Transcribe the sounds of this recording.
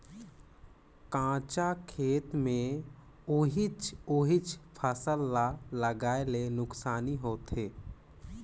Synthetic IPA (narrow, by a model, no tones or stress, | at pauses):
kãːt͡ʃakʰeːt̪mẽ | ʊɦɪt͡ʃoɦɪt͡ʃpʰəsəlːaləɡaːelenʊksaːniɦoːt̪ɦeː